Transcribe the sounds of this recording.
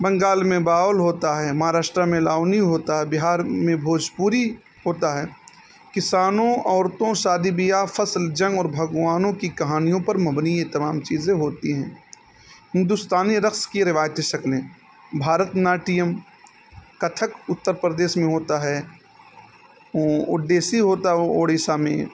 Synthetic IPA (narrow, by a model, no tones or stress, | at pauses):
bɐ̃ŋɡaːlmẽbaːʋlɦoːt̪aɦɛːmɐɦaːɾaːʃʈɾamẽlaːʊniɦoːt̪aɦɛbɪɦaːɾmẽbʱoːd͡ʒpuːɾi | ɦoːt̪aɦɛː | kɪsaːnõɔːɾt̪õsaːd̪ibijafɐsld͡ʒɐ̃ŋɡɔːɾbʱɐɡʋaːnõkikɐɦaːnijõpɐɾmɐbniet̪ɐmaːmt͡ʃiːzẽɦoːt̪iɦɛ̃ː | hɪ̃nd̪ʊst̪aːniɾɐxskiɾɪʋaːjt̪ẽʃɐklẽː | bʱaːɾət̪naːʈijəm | kɐt̪ʰəkʊt̪ːəɾpɾəd̪eːʃmẽɦoːt̪aɦɛː | ʊɖeːsiɦoːt̪aɦɛoːɽeːsamḛ̃